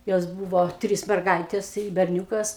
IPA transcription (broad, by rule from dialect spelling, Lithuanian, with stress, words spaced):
ˈjoːs ˈbuːʋoː ˈtʲrʲiːs mʲɛrˈɡɐɪtʲeːs ɪ bʲɛrʲˈnʲuːkɐs